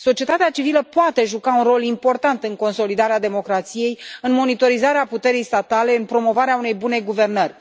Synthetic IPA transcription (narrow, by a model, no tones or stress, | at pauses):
so̞t͡ʃie̞t̪at̪eat͡ʃiviləpoat̪e̞ʒukaunro̞limpo̞rt̪ant̪ɨŋko̞nso̞lid̪aɾead̪e̞mo̞kɾat̪sije̞jɨnmo̞nit̪o̞ɾizaɾeaput̪e̞ɾijst̪at̪ale̞ɨnpɾo̞mo̞vaɾeaune̞jbune̞ɡuve̞rnərʲ